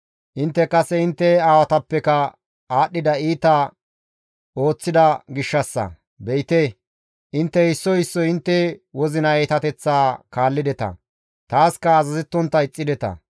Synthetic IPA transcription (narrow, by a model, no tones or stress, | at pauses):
ʔɪnt̪ːɛkɐsɛɪnt̪ːɛaːwɐt̪ɐpːɛkɐ | aːɗːɪd̪ɐiːt̪ɐ | o̞ːt͡sːɪd̪ɐɡɪʃːɐsːɐ̰ | bɛjt̪ɛ | ʔɪnt̪ːɛɪsːɔɪsːɔɪnt̪ːɛwɔzɪnɐeːt̪ɐt̪ɛt͡sːaːkaːlːɪd̪ɛt̪ɐ̰ | t̪aːskɐːzɐzɛt̪ːɔnt̪ːɐɪt͡sʼːɪd̪ɛt̪ɐ̰